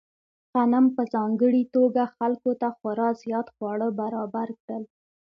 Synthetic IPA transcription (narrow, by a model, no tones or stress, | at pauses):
qanampəzɑŋɡəɽit̪oɡaxalkot̪axwaɾɑzjɑt̪xwɑɽəbaɾɑbaɾkɽəl